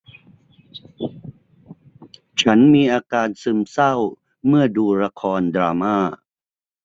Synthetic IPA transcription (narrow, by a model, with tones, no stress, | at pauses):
t͡ɕʰa˦˥nmiː˧ʔaː˧kaː˧nsɯ˧msa˥˩w | mɯ˥˩ɐduː˧ɾa˧kʰɔː˧ndɾaː˧maː˥˩